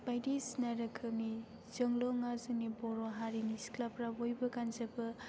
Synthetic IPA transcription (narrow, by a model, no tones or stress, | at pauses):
b̥ajdisnaɾɯkʰɯni | z̥əŋlɔŋazɯnibɔɾoɦaɾinisklapɾabojbɐkanzɐbɐ